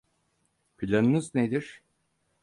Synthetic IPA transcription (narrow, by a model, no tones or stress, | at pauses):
pʰilʲanɯnɯzned̪iɾ̥